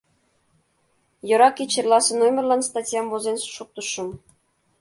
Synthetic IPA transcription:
jɤ̆ɾɑkʲːet͡ɕerlˠɑsɤ̆nomʲerlˠɑnst̪ɑtʲjɑmvozenʃuk̚t̪ɤʃɤ̆m

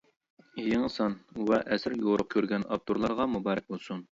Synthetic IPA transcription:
ijiŋəsɑnwɛʔɛsɪɾjoɾʊq̚kʲʰøɾɡʲɛnɑ̰p̚t̪ʰoɾlˠɑɾʁɑmubɑːɾɛk̚ʲbolˠsun

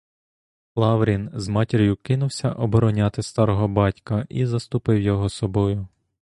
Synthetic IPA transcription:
lˠɑwɾʲinzmɑtʲiɾʲjʊkɪnʊwsʲɐʔɔbɔɾɔnʲɑt̪ɪst̪ɑɾɔɦɔbɑtʲkɐʔizɐst̪ʊpɪwjɔɦɔsɔbɔjʊ

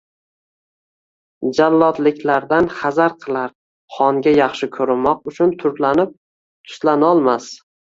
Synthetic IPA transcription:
d͡ʒalːɒt̪lɪkʲʰlaɾd̪anχazaɾqʰɨlˠaɾ | χɒŋɡʲajɑχʃɪkʲʰɵɾɪmɒq̚ʊt͡ʃʰʊnt̪ʰʊɾlanɪp̚ | t̪ʰʊ̥slanɒlˠmas

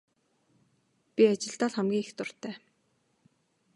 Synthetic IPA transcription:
pʲiat͡ɕɪ̆ɬt̪aːɮχæmɡʲiːŋext̪ʊr̥t̪æː

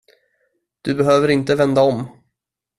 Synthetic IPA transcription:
d̪̥ɵbɛɦøːvəɾɪnt̪əvɛnd̪aɔm

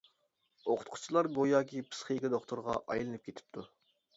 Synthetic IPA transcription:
oqʰʊ̥t̪̚qʰʊ̥t͡ʃʰilˠɑɾɡojɑːkʲʰipʰɨ̥sχəjkʲɪd̪oχt̪oɾʁɑ̰ʔɑ̰jlˠɨnɨp̚kʲet̪ʰɪ̥p̚t̪ʰu

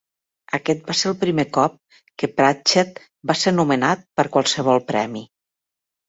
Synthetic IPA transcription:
əkɛt̪̚baseɾəlˠpɾimekɔp̚ | kəpɾat͡ʃɛt̪̚ | baseɾnumənat̪̚pəɾkwalˠsəβ̞ɔlˠpɾɛ̰mi

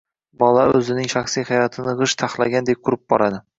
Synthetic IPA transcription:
bɒlˠaɵzɪnɪŋʃaχsijhajɒt̪ʰɪnɨʁɨʃt̪ʰaχlˠaɡʲand̪e̞p̚qʰʊɾɪp̚bɒɾad̪ɪ

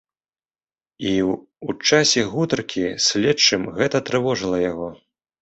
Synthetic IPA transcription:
i | ut͡ʂasʲɛɣut̪ɐrkʲʰisʲlʲɛtt͡ʂːɨmɣɛt̪ɐt̪ɾɨvɔʐɨlˠɐjaɣɔ

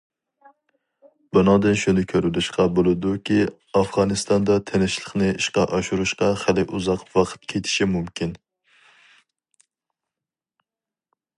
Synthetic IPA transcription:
bʊnɑd̪ɨnʃunɪkʲʰøɾɪlɪʃqɑbolˠɨd̪ukʲʰi | ɑfʁɑnɨst̪ɑnd̪ɑt̪ʰenɪʃlˠəχnɪiʃqɑʔɑʃuɾuʃqɑχælɪʔuzɑqwɑqʰə̥t̪̚kʲʰet̪ʰɪ̥ʃimumkʲin

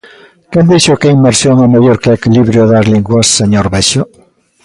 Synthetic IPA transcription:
kẽnd̪eʃokeimeɾsjoŋomeʎoɾkeekiliβɾjoðazliŋɡwasːeɲoɾβeʃo

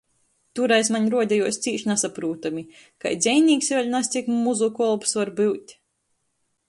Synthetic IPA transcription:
t̪uɾajsmaɲʲɾuɔd̪ʲɛjuɔst̪siːʃnasapɾuːt̪amʲi | ka̰jd̪zʲɛjnʲiːksvʲɛlʲnast̪sikmuzukɔlˠpsvaɾbɨwt̪ʲ

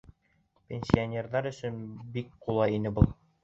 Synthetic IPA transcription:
pʲenʲsʲionʲe̞rðɑɾɵ̆sɵnbikqulˠɑjinɘbulˠ

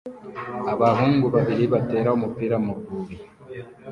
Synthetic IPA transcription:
aβaɦuːŋɡuβaβiɾiβate̞ːɾaumupiːɾamuɡuɾi

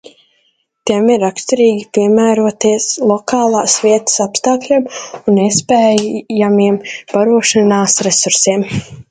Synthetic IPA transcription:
t̪iɛmiɾakst̪iɾiːɡʲipiɛmæːɾuɔt̪iɛslˠɔkɑːlˠɑːsviɛt̪ə̥sapst̪aːklʲiɛmunːespɛːjamiɛmpaɾuɔʃanaːsɾesuɾsiɛm

